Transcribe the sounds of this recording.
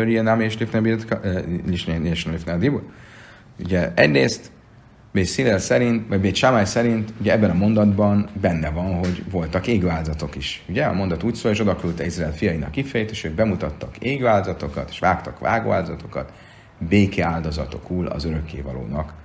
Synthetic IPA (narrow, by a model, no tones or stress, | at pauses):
øɾiɛnameʃlifnɛbit̪liʃnneʃnlifnad̪ibu | uɟɛɛ̰ɟreːst̪ | beːsilelsɛɾint̪vɒɟbeːt̪ʃamajsɛɾint̪uɟɛɛbːɛnɒmond̪ɒd̪bɒnbɛnːɛvɒnɦo̞ɟvo̞lt̪ɒkeːɡøaːlzɒt̪o̞kiʃuɟɛɒ̰mo̞nd̪ɒt̪uːcsoːleːʃo̞d̪ɒkøylt̪ɛizraɛːlfijɒinɒ̰kːifɛjɛt̪eːʃøːɡ̚bɛmut̪ɒt̪ːɒkeːɡøaːld̪ozɒt̪o̞kɒ̰t̪e̥ːʃʋaːkt̪ɒkʋa̰ːɡo̰ːaːld̪ozɒt̪o̞̥kɒ̰t̪ | beːkʰeaːld̪ozɒ̰t̪o̞kuːlɒ̰zøɾø̞kːḛːvɒlo̰ːnɒk